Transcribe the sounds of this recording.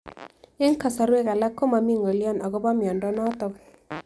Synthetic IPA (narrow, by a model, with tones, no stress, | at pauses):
ɪ˦ŋka˨sa˨ɾwe˦ka˨la˦kːo˦ma˨mi˦ŋo˨ljɔ˦na˨ɡɔ˦ba˦mjɔ˨ndɔ˦nɔ˦t̪ɔ˨k